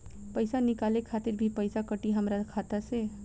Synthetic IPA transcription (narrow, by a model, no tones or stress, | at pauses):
pəɪsanɪkaːlekʰaːt̪ɪɾbʱipəɪsakəʈiɦəmɾakʰat̪ase